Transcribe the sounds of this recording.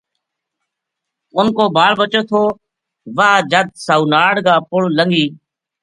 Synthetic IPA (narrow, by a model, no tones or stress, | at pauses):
ʊnkoːbaːɭʋət͡ʃoːt̪ʰoː | ʋaːd͡ʒəd̪̚saːuːnaːɽɡaːpʊɭləŋɡiː